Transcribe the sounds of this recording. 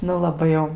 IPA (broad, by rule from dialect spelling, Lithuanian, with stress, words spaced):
ˈnʊ lˠɐˈbɐɪ jɛʊ